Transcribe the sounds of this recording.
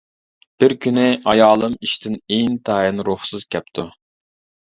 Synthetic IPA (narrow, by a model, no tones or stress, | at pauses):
b̥ɪɾkʲynɪɑjɑːlˠɨmiʃt̪ʰɪneŋt̪ʰɑːjinɾuχsɨz̥kʲʰɛp̚t̪ʰu